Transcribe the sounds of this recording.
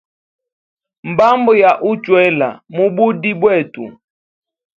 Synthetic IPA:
m̩˨ba˦mbɔ˨ja˨ʔu˦t͡ʃwɛ˦la̰˨mu˦bu˦di˦bwɛ˦˨tṵ˨

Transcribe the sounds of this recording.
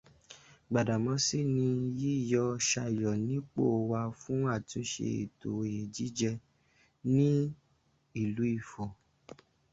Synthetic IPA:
ɡ͡ba˨da˨mɔ̃˨˧˦si˦˨nĩ˧ji˦˨jɔ˧ʃa˧˨jɔ˨nĩ˨˦k͡po˦˨wa˧fũ˦a˦˨tũ˨˦ʃḛ˧ḭ˨to˨je˨d͡ʒi˨˦d͡ʒɛ˧ | nĩ˦ | i˦˨lu˨˦i˦˨fo˨

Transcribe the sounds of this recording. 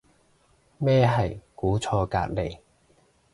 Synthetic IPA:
mɛː˥ɦɐ˨jkuː˨˥t͡sʰɔː˧ka̰ː˧t̚le˨˩j

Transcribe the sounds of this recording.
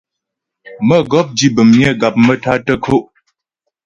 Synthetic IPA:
mə˦ɡɔ˦p̚d͡ʒi˦bə˨mɲ˦ə˦ɡa˨p̚mə˦ta˦tə˦kʰo˦˨ʔ

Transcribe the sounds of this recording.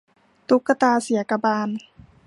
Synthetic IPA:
t̪u˦˥kːa˧t̪aː˧si˨˩˦ɐka˧baː˧n

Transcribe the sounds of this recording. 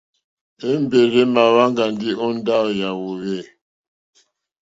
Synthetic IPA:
e˦m˦be˨ɾe˦ma˨βa˦ŋɡa˨ndi˦ɔ˦n˦da˦ja˨wo˨ɣe˦˨

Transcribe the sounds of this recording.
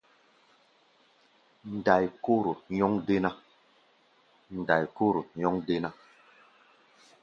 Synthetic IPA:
n̩˨da˨jko˦ɾo˨ɲɔ˦ŋde˦na˦ | n̩˨da˨jko˦ɾo˨ɲɔ˦ŋde˦na˦

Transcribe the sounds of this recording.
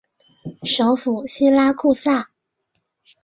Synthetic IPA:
ʂo˧˥ʊfu˨˩ɕi˥la˥kʰu˥˧sa˥˩

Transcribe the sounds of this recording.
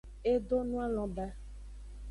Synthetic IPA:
e˦ɖo˦nũ˦a˦l̃ɔ̃˨bɛ˦

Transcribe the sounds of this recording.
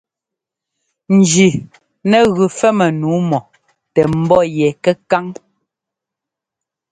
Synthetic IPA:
n̩˨d͡ʒi˨ | nɛ˦˨ɣʉ˨fɛ˦mɛ˨nuː˨˦mɔ˨ | tɛ˨m̩˦bɔ˦˨jɛ˨kɛ˦ka˦ŋ

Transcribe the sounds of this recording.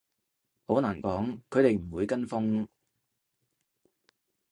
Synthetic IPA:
ho˨˧˥naː˨˩nkɔː˨˥ŋkʰɵ˨˧ɥɾe˨jm̩˨˩wuː˨˧jkɐ˥nfʊ˥ŋ

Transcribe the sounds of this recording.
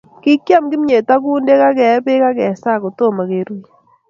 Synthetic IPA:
ki˦kja˦mɡɪ˦m˦ɲe˨ta˦ku˦nde˦ka˦kɛ˨˦be˦ka˦kɛ˨sa˦˨ko˨to˦˨ma˨ke˨ɾu˦

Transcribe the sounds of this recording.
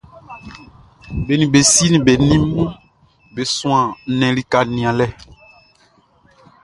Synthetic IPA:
be˨nĩ˨be˨si˦nĩ˨be˨nĩ˦mũ˦ | be˨sũ˦ã˨nɛ̃˨li˦ka˨nĩ˨ã˨lɛ˦

